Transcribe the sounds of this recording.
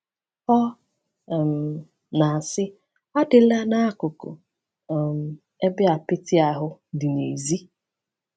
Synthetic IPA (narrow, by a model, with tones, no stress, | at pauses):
ɔ˦˨ | m̩˨ | na˨a˨sɪ˦ | ɔ˦dɪ˨la˦na˦a˦kʊ˨kʊ̰˨ | m̩˨ | e˦bɪ˦a˨pɪ˦tɪ˦a˨ɦʊ˦dɪ˨nḛ˨zi˦